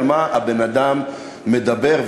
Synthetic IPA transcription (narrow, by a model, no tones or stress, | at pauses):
lmaabenad̪amː | ed̪abe̞ʁv